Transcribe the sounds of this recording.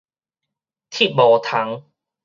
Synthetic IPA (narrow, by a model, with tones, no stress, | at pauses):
t̪ʰi˦˩t̚bɔː˨t̪ʰa˨˦ŋ